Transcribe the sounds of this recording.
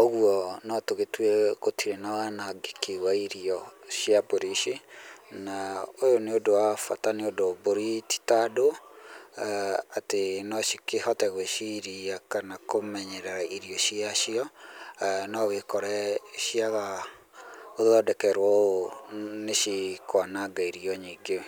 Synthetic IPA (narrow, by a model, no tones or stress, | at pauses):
oɣwɔnɔtoɣetwɛɣotiɾenaanaɡekiɣwaiɾiɔʃjaboɾiʃinaojoneodoafa̰taneodoboɾiti̥tado | atenɔʃi̥kehɔtɛɣweʃiɾiakanakomɛɲɛɾɛɾaiɾiɔʃiaʃiɔ | nɔwekɔɾɛʃiaɣa | oððɔdɛkɛɾwɔoneʃikwanaɡaiɾiɔɲiːɡew